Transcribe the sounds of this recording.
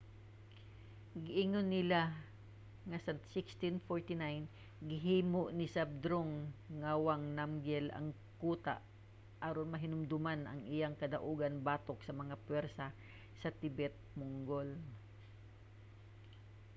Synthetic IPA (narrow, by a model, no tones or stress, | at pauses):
ɡɪʔɪŋonːɪla | ŋɐsɐsɪkst̪ɪnfoɹt̪ɪnajn | ɡɪɦiːmoʔnɪsab̚d̪ɾoŋːawaŋnamɡɛlɐ̰ŋ | kuːt̪a̰ʔ | ʔaɾonmɐɦɪnʊmd̪ʊmanʔɐ̰ŋʔɪjaŋkɐd̪ɐʔuːɡɐnbaːt̪ok̚sɐmɐŋapwɛɾsɐ | sɐt̪ɪbɛt̪̚mʊŋɡol